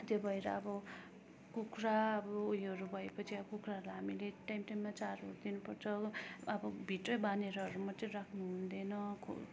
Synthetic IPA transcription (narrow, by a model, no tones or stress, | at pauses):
t̪jobʱʌeɾʌ̰ʌbʌ | kukraʌbʌujʌɾubʱʌepʌt͡sʰiʌbʌkukraʌɾlaɦamileʈajmʈajmːat͡saro̰ɾd̪inupʌrt͡sʰʌʌbʌbʱiʈrʌbaneɾʌɦʌɾumʌt̪ʌɾakʰnuɦɦund̪enʌkʰo̰